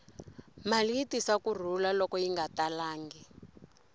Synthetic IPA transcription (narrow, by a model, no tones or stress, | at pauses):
maliitisakur̤ulalɔkɔjiŋɡatalaːŋɡi